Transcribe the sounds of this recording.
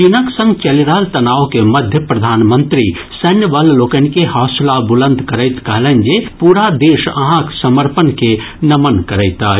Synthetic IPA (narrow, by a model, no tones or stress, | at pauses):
t͡ʃinəksə̃ŋɡt͡ʃəliɾaɦlt̪ɐnaːokemɐd̪ʱjəpɾɐd̪ʱaːnmənt̪ɾi | sənjəʋəlloːkənkehaːslabulə̃nd̪kəɾəɪt̪kəɦlənd͡ʒepuːɾad̪eːʃə̰ɦãksəməɾpənkenɐmənkəɾəɪt̪aː